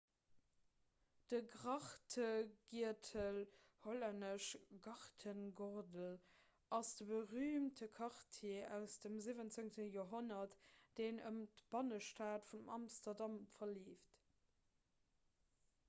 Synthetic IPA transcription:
d̥əɡʁɑχtʰəɡiɐtʰəl | holændəʃɡɑʁtʰənɡoʁdəl | ʔɑsd̥əbəʁyːmtʰəkʰɑʁtʰeːæʊsd̥əmzivənt͡seŋtəjoːɐɦonɐtd̥eːnəmtb̥ɑnəʃtaːtfundəmɑmstɐdɑmfɐliːft

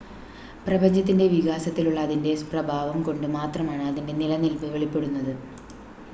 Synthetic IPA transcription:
prɐbɐɲd͡ʑɐt̪ːindeʋiɣaːsɐt̪ːiluɭːɐːðinde̞sprɐbʱaːʋɐmko̞ɳɖɨmaːt̪rɐmaːɳɨɐðinde̞nilɐnilpɨʋe̞ɭipːe̞ɽunːɐðɨ

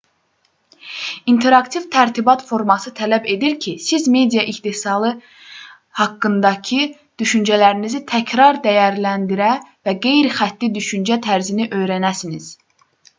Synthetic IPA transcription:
int̪ʰe̞ɾɑkt̪ʰivt̪ʰæɾt̪ʰibɑt̪fo̞ɾmɑsɯt̪ʰælæbe̞d̪iɾcʰisizme̞d̪ijɑʔiht̪isɑlˠɯ | hɑkːɯnd̪ɑcʰɯ | d̪̥yʃynd͡ʒælæɾinizit̪ʰæcʰɾɑɾd̪æjæɾlænd̪iɾævæɡe̞jɾixæt̪ːid̪yʃynd͡ʒæt̪ʰæɾziniʔø̞jɾænæsiniz̥

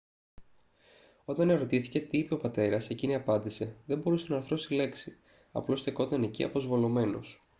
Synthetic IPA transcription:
o̞t̪ɐneɾo̞t̪iθi̥ce̞t̪iipe̞opɐt̪e̞ɾɐse̞ciniɐpɐnd̪ise̞ðe̞mbo̞ɾusenɐɐɾθɾo̞st̪ile̞ksi | ɐ̰plo̞st̪eko̞t̪ɐne̞ciɐ̰po̞zvo̞lo̞me̞no̞̰s

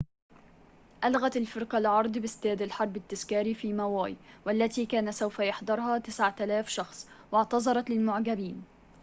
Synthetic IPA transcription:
ʔalɣat̪alfɪɾqɑlʕɑɾˤd̪ˤbɪst̪aːd̪alħɑɾˤbɪt̪ːaskɑːɾifiːmawaːjwalːat̪iːkæːnasawfajɑħd̪ɑɾˤhɑːt̪ɪsʕat̪alaːfʃɑxsˤwɪʕt̪ɑzˤɑɾˤɑt̪lɪlmʊʕɡabiːn

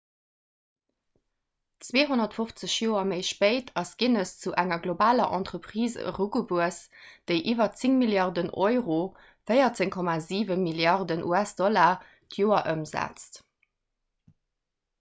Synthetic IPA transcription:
t͡sweːɦonɐtfoft͡səɕjoːɐməɪʃpəɪtʰɑsɡ̥inəst͡suʔæŋɐɡlobaːlɐʔɑ̰ntʁəpχiːzə̰ʁuɡubuəsd̥əɪʔiːvɐt͡siŋmiljɑʁdənʔɔʏʁo | fəɪɐt͡seŋkʰɔmaziːvəmiljɑʁdənʔṵæsd̥ɔlaː | tʰjoːɐʔəmzæ̰t͡st

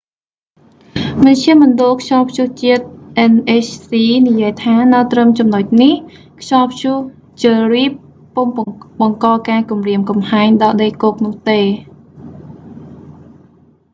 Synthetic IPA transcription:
mɨnt͡ɕʰiəmonɗoːlkʰɕɑːlpʰɕuht͡ɕiət̪̚ʔɛnʔeːt͡ɕʰsiːnijiəjt̪ʰaːnɨwt̪rəmt͡ɕɑmnoc̚nih | kʰɕɑːlpʰɕuh | t͡ɕiəriːəpː | oŋɓɑŋkɑːkaːkumriəmkɑmhaɛŋɗɑːɗəjkoːk̚nʊ̆əht̪eː

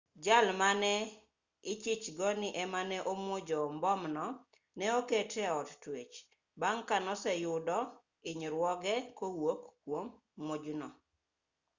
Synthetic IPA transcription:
d͡ʒalmanɛ | ɪt͡ʃɪt͡ʃɡɔnɪʔɛmanɛʔomwod͡ʒɔmbɔmnɔ | nɛoketɛɔttwet͡ʃ | baŋkanɔsɛjʊdɔ | ɪɲɾwɔɡɛkowokːwomː | od͡ʒnɔ

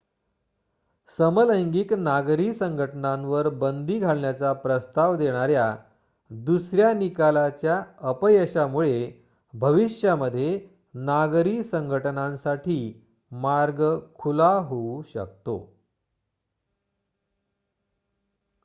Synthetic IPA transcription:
səmələjŋɡiknaɡɾiːsəŋɡʱəʈənãnʋəɾbənd̪iːɡʱaɭɳjat͡sapɾəst̪aʋd̪eɽ̃aɾja | d̪usɾjanikalat͡ɕjaəpəjəɕamuɭe | bʱəʋiɕjaməd̪ʱːje | naɡɾiːsəŋɡʱəʈnãnsaʈʰiː | maɾɡəkʰulaɦouɕə̰kt̪o̰

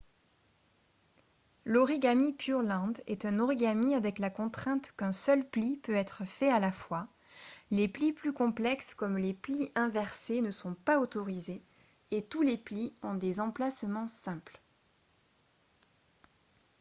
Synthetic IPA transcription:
lɔʁiɡamipʰyʁlɑ̃d̪ɛ̰t̪ɛ̃nɔʁiɡamiavɛklakɔ̃t̪χɛ̃t̪kɛ̃sœlplipøɛt̪χəfɛalafwa | lepliplykɔ̃plɛkskɔmlepliʔɛ̃vɛʁsenəsɔ̃paot̪ɔʁize | et̪ulepliɔ̃d̪ezɑ̃plasmɑ̃sɛ̃pl

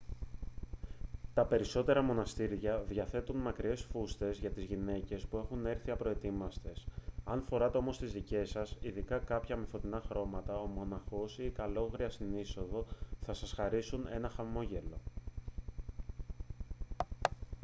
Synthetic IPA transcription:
t̪ɐpe̞ɾiso̞t̪e̞ɾɐmo̞nɐst̪iɾʝɐðʝɐθe̞t̪unmɐkɾie̞sfust̪e̞zʝɐt̪izʝine̞ce̞spue̞xune̞ɾθiɐpɾo̞e̞t̪imɐst̪e̞sɐnfo̞ɾɐt̪e̞o̞mo̞st̪izðice̞sɐsiðikɐkɐpçɐmefo̞t̪inɐxɾo̞mɐt̪ɐo̞mo̞nɐxo̞sikɐlo̞ɣɾiɐst̪iniso̞ðo̞θɐsɐsxɐɾisune̞̰nɐxɐmo̞ʝe̞lo̞

